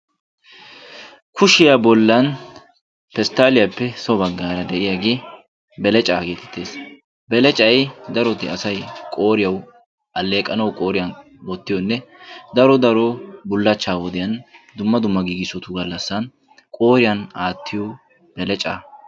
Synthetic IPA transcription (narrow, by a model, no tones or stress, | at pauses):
kʰʊʃɪjabɔlːɐn | pɛst̪aːlɪjɐpːɛsɔbɐɡːaːɾɐd̪ɛʔɪjaɡe | bɛlɛt͡ʃʼaːɡe̞ːt̪ɛ̥t̪ːeːs | bɛlɛt͡ʃʼɐjd̪ɐɾɔt̪ɪɐsɐjkʼo̞ːɾɪjɐw | ʔɐlːe̞ːkʼːɐnɐwkʼo̞ːɾɪjɐn | bɔt̪ːɪjɔnːɛd̪ɐɾɔd̪ɐɾɔbʊlːɐt͡ʃːaːwɔd̪ɪjɐnd̪ʊmːɐd̪ʊmːɐɡiːɡɪsɔt̪ʊɡɐlːɐsːɐn | kʼo̞ːɾɪjɐnaːt̪ʰːɪjɔ | b̥ɛlɛt͡ʃʼa̰ː